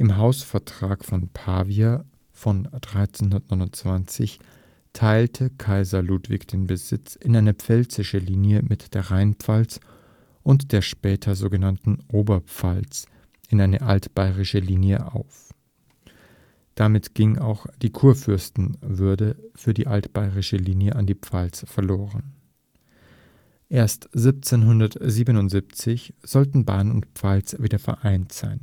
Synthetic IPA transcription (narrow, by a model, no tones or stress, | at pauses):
ʔɪmɦaʊsfɛɐtʁ̥aːkfɔnpʰaːvia | fɔnd̥ʁaɪt͡senhʊndɐt̚nɔɪnʊnt͡sv̥ant͡sɪ̰ç | tʰaɪltʰəkʰaɪzɐluːtv̥ɪkd̥eːnbəzɪt͡sʔɪnʔaɪnɐpp͡fɛlt͡sɪʃəliːnjəmɪtd̥eːɐʁaɪnpp͡falt͡s | ʔʊntd̥eːɐʃpɛːtʰɐzoːɡənantn̩ʔoːbɐpp͡falt͡s | ʔɪnʔaɪnəʔaltb̥aɪʁɪʃəliːnjəʔa̰ʊf | d̥amɪtɡ̥ɪŋa̰ʊxd̥iːkʰuːɐfʏɐstn̩vʏɐdəfyːɐdiːʔaltb̥aɪʁɪʃəliːnjəʔandiːpp͡falt͡sfɛɐloːʁən | ʔeːɐstz̥ɪp̚t͡seːnɦʊndɐtziːbənʊntz̥iːp̚t͡sɪçz̥ɔltn̩ba̰ːnʊ̰ntpp͡falt͡sv̥iːdɐfɛ̰ɐʔaɪntz̥a̰ɪn